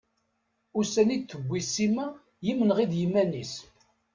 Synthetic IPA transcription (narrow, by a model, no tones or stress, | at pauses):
ʊsænid̪θəbʷːisimæ | jimːənʁid̪jimːænis